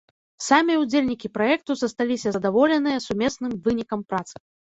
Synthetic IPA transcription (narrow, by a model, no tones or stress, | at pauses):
samʲijɛud͡zʲelʲnʲikʲipɾajɛk̚t̪uzɐst̪alʲisʲɐɐd̪avɔlʲɛnɨjɐsumʲɛsnɨmvɨnʲikɐmpɾat̪sɨ̥